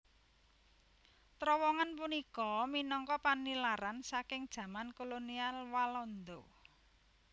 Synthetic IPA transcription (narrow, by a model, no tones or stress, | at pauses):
t̪ɾɔwɔŋanp̬unikɔminɔŋkɔpanːilaɾansakɪŋd̥ʒ̥ä̤mankolonialwalɔnd̪o